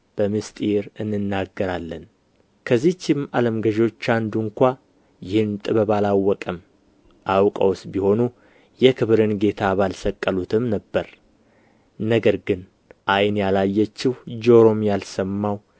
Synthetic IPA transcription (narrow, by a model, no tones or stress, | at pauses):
b̥əmɨst̪ʼiɾɨnːɨnːaɡːəɾalːən | kʰəzːit͡ʃːɪmaləmɡəʒo̞t͡ʃːand̪uŋkʷa | jɪhɨnt̪ʼɨβəβalawːɔkʼəm | ʔawkʼə̰wsbiho̞nu | jɛkʰɨβɾɨnɡe̞t̪ʰaβalsəkʼːəlut̪ʰɨmnəbːəɾ | nəɡəɾɡɨn | ʔajnjalajːɛt͡ʃːɪhd͡ʒo̞ɾo̞mjalsəmːaw